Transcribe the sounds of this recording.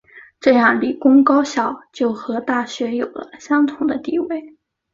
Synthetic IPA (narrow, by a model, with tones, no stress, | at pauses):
ʈ͡ʂɤ˥˧jɑ˥˩ŋli˨˩kʊ˥ŋkɑ˥ʊɕjɑ˥˩ʊt͡ɕjo˥˩ʊxɤ˧˥t̪a˥˩ɕɥɛ˧˥jo˨˩ʊlə̰˦ɕjɑ˥ŋt̪ʰʊ˨˩ŋd̪ə˦t̪i˥˩we˥˩ɪ